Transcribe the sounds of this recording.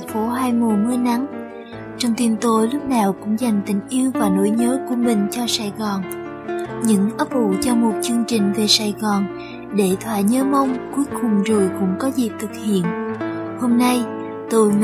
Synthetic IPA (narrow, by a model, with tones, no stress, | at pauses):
fo˨˦ɦaː˧jmu˨˩mɨ˧na˨˦ŋ | t͡ɕɔ˧wŋ͡mt̪i˧˩nt̪o˧˩lʊ˦˥k͡p̚naː˨˩wkʊ̰˧˥ŋ͡mza˨˩jŋ̟t̪ï˨˩ŋ̟ʔi˧əwvaː˨˩no˧˩˦jɲəː˨˦ku˧˩əmï˨˩ŋ̟t͡ɕɔ˧saː˨˩jɣɔː˨˩n | ɲɨ̰˧˥ŋʔə˦˥p̚vṵ˧˨t͡ɕɔ˧mo˨˩t̚t͡ɕɨ˧əŋt͡ɕï˨˩ŋ̟ve˨˩saː˨˩jɣɔː˨˩n | ɗe˧˩t̪ʰwaː˧˨jɲəː˧mə˧wŋ͡mku˨˦əjkʊ˨˩ŋ͡mzo˨˩jkʊ̰˧˥ŋ͡mkɔ˨˦zi˨˩t̪ʰɨ˨˩k̚hḭ˧˨ənho˧mna˧j | t̪ɨ˧˨˩